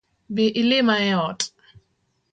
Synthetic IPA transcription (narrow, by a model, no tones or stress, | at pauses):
beʔɪlɪmaɛɔtʼ